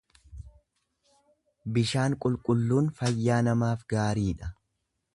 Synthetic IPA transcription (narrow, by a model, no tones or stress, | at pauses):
bɪʃaːŋkʼʊlkʼʊlːuːnfɐjːaːnɐmaːfɡaːɾiːᶑɐ